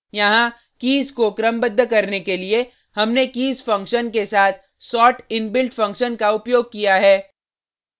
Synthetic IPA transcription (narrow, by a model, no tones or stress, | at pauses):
jɐɦã | kiːzkokɾɐmbəd̪ʱːəkɐɾnekelie | hɐmnekiːzfɐ̃ŋkʃənkesaːt̪ʰ | sɔːʈɪnbɪlʈfɐ̃ŋkʃənkaʊpjoːɡ̚kijaɦɛː